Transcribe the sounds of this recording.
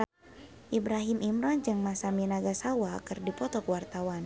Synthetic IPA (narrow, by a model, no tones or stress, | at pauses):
ʔibɾaɦimʔimɾɔnd͡ʒɨŋmasaminaɡasawakɨrdipɔt̪ɔkwart̪awan